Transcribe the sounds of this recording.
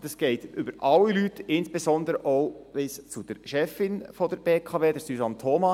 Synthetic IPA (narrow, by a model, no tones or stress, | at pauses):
dəsɡ̥ɛɪtʏbəɾɑlːilytɪnsb̥esɔnd̪əɾəʔoʊʋɪst͡sud̥əɾʃɛfɪnfɔd̥əɾb̥eːkʰɑːʋeːdəɾsysɑnt̪ʰːɔmɑ